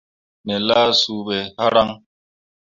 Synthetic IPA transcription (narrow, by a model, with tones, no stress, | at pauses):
nɛ˨laː˦su˨bɛ˨ha˦ɾa˦ŋ